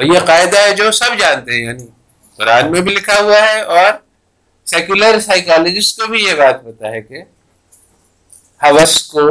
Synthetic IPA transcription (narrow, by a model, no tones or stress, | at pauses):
jeqaːɪd̪aɦɛd͡ʒoːsɐbd͡ʒãːnt̪eɦɛ̃jaːni | kʊɾaːnmẽbʱilɪkʰaɦʊaɦɛɔːɾ | sɛːkjʊləɾsaːɪkaːled͡ʒɪskobʱijebaːt̪̚bɐt̪aɦɛke | hɐʋəsko